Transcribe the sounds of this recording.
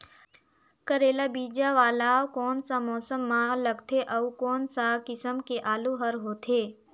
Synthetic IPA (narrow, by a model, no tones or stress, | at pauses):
kəɾeːlabiːd͡ʒaʋaːlaːokɔːnsamɔːsəmːãləɡt̪ʰeʔɐukɔːnsakɪsəmkeʔaːluɦəɾɦoːt̪ʰeː